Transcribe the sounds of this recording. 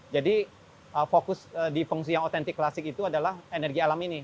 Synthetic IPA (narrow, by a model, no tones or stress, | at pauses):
d͡ʒadi | əfokʊsədifuŋs̬ijaŋot̪ɛnt̪ɪkːlasɪk̚it̪uadalahenɛrɡialamini